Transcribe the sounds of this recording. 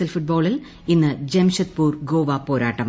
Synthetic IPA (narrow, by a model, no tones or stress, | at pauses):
ɐlfuʈ̚bo̞ːɭil | inːɨd͡ʑemɕɐt̪̚puːrɡo̞ːʋɐpo̞ːɾaːʈːɐm